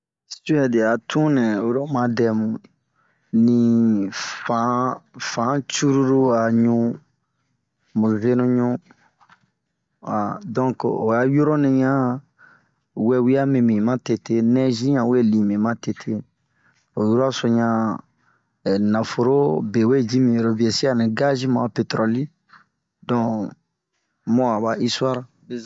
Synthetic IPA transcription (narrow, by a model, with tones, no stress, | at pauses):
si˦ɛ˨de˨a˨tʰũ˦nɛ̃˨o˨ɾo˦mã˧dɛ˧mũ˨ | nĩ˨ | fã˨˦fã˨˦t͡ʃu˦ɾu˦ɾu˦a˨ɲũ˦ | mũ˨ve˦nũ˦ɲũ˦ | a˨dɔ̃˦ŋko˨ja˦jo˦ɾõ˦nẽ˧ɲã˦ | wɛ˨wi˦a˦mĩ˨mĩ˨mã˦te˨te˦nɛ̃˦ʒĩ˦ɲã˨we˦˨lĩ˨mĩ˨mã˦te˨tʰe˦ | o˨ju˦ɾo˦a˦so˨ɲã˧˨ | nã˨fo˨ɾo˦be˨we˦˨di˦mĩ˨ɾo˨vi˨e˨si˦a˦˨nĩ˨ɡa˦ʒi˦mã˨a˨pe˨t̪ɾɔ˨li˦ | dɔ̃˨ | mɔ̃˦a˨ba˨ʔi˦swa˦ɾa˨